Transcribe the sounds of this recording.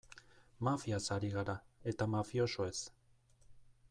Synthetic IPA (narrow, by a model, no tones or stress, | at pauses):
mafiasaɾiɣaɾae̞t̪amafio̞soe̞s